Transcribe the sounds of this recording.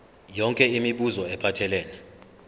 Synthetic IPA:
jɔŋkʼɛimiɓuzɔɛpʰatʰɛlɛːlɛ

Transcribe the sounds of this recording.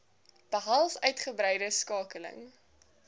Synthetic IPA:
b̥əɦɐlˠfœɥtχəbɾɛjdəskɑːkələ̰ŋ

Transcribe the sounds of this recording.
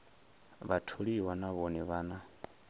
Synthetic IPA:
βatʰoɺiwanaβɔnɛβaːna

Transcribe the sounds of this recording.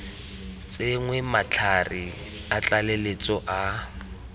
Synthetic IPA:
t͡sʼeŋwɛmat͡ɬʰari | at͡ɬʼalelet͡sʼɔʔa

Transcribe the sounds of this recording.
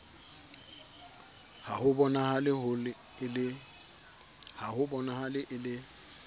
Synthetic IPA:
hahʊbɔnahalɪhʊlɪ | ɪlɪ | hahʊbɔnahalɪʔɪlɪ

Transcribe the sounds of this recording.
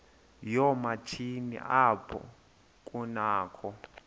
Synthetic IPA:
jɔmat͡ʃʰinḭʔapʰɔ̰ | k̬ʼunaːkʰɔ

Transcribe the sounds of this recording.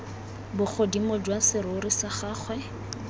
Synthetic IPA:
bʊχʰodimʊd͡ʒwasɪɾʊʊrisaχaːχwɛ

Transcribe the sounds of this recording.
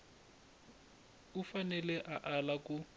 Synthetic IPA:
ufanɛlɛʔaʔalakʊ

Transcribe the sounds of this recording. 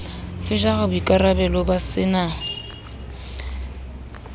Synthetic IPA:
sɪʒaɣabʊikʼaɾabɛlɔbasɪna

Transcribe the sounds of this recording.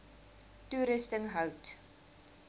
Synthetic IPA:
tuɾəstəŋɦœwt

